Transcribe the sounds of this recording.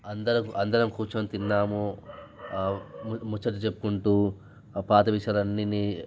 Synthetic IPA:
ɐnd̪ɐɾɐkuʔɐnd̪ɐɾɐmkuːt͡ʃɐmt̪inːaːmu | mut͡ʃːɐʈ̬ut͡ʃepːu̥kuɳʈuː | paːt̪ɐʋiʂɐlɐnːiniː

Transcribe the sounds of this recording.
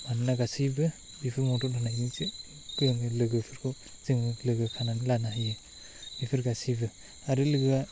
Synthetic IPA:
manɯnaɡasibɯ | bipʰɯɾmɔtɔhʰɯnajizɯ | kɯɯŋɯlɯɡɯpʰɯɾkʰɯ | z̥ɯŋɯlɯɡɯkʰananlanaɦajɯ | bipʰɯɾɡasibɯ | aɾɯlɯɡa

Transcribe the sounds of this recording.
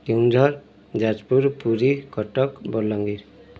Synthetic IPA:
ʈiŋd͡ʒʱɔɾ | d͡ʒad͡ʒpuɾpuɾikɔʈɔkbɔlɔŋɡiɾ

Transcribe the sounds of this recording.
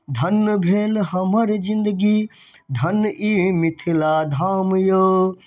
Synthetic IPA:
d̪ʱɐnːbʱeːlɦɐmɐɾzɪ̃nd̪əɡid̪ʱɐnʔimɪt̪ʰilad̪ʱaːmjoː

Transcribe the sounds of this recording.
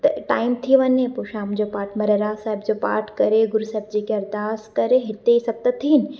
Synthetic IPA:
t̪ɐʈaːɪmt̪ʰiʋɐɲẽpoʃaːmd͡ʑopaːɾʈʰmɐɾeɾasaːɦɪbd͡ʑoːpa̰ːɾʈkɐɾeɡʊɾusaːɪb̚d͡ʑikeɐɾd̪aːskɐɾeɦɪt̪eisɐɡ̚t̪at̪ʰiːnɪ̆

